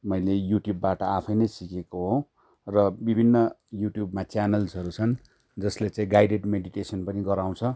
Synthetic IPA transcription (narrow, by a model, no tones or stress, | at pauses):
mʌjlejuʈjubːaʈʌapʰʌjnʌjsikekoɦõ | rʌbibʱinːʌjuʈjubmat͡sjanʌlsʌɾut͡sʰʌn | d͡zʌslet͡sãĩɡajɖeɖmeɽiʈesʌnpʌniɡʌɾaw̃t͡sʰʌ